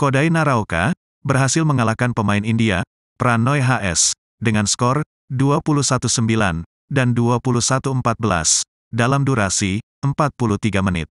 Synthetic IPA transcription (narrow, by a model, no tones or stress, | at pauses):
kodainaɾaoka̰ | bərɦasɪlməŋalakanpəmaɪnindia | pɾanɔjɦaʔɛ̰s | dəŋanskɔr | duapulusat̪usəmbila̰n | danduapulusat̪uəmpat̪̚bəla̰s | dalamduɾasi | əmpat̪̚puluht̪iɡamənɪ̰t̪̚